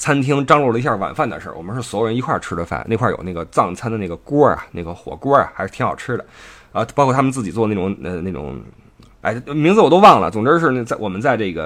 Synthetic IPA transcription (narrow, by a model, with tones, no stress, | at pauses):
t͡sʰa˥nt̪ʰi˥ŋʈ͡ʂɑ˥ŋlɔ˥˩lə˩i˧˥ɕja˥˩wa̰˨˩nfa˥˩nd̪ə̰˩ʂə̰˥˩wɔ̰˨˩mə˦nʂɻ̩˥˩swɔ˥jɻə˥i˧˥kʰwa˥˩ʈ͡ʂʰɻ̩˥d̪ə˧fa̰˨˩ne˥˩˧kʰwa˥˩jo̰˨˩na˥˩ɡə˩t͡sɑ˥˩ŋt͡sʰa˥nd̪ə˧na˥˩ɡə˩kwɔ˥ɐ̰˨na˥˩ɡə˩xwɔ̰˨˩kwɔ˥ɐ̰˨xʂɻ̩˥˩t̪ʰxɑ˨˩ʊʈ͡ʂʰɻ̩˥d̪ə˨˩ | ə˧˩pkʰwɔ˥˩t̪ʰə˨nt͡sɹ̩˥˩t͡ɕi˨˩t͡swɔ˥˧na˥˩ʈ͡ʂʊ˨˩ŋə˧ne˥˩ʈ͡ʂʊ̰˨˩˦ŋ | a̰˥˩ɪmi˧˥ŋd͡zɹ̩˧wɔ˨˩t̪o˥ʊwɑ˥˩ŋlə̰˩t͡sʊ˨˩ŋʈ͡ʂɻ̩˥ʂ̬ɻ̩˥˧˥t͡sa˥˩wɔ˨˩mə˦nt͡sa˥˧ɪʈ͡ʂɤ˥˩ɡə̰˩